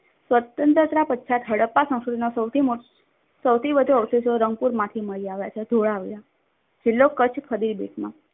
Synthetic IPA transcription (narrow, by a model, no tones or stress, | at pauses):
sʋət̪ənt̪ɾət̪ɾapətːʃʰat̪ɦəɽəpːasə̃ŋ̃sod̪inosəwt̪ʰio | səwt̪ʰibəd̪ʱoɔsisoɾəŋɡ̚puɾmãt̪ʰiməɭiaʋjat͡ʃʰed̪ʱoɭaʋija | d͡ʒɪlːokət͡ʃʰpʰəd̪iɾbeʈʰmã̰